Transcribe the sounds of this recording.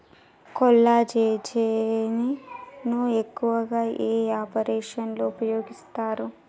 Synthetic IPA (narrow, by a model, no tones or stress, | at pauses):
kɔlːat͡ʃeːt͡ʃeːninuekːuʋɐɡaːʔeːaːpɐɾeːʂɐnloupɐjo̞ːɡist̪aːɾu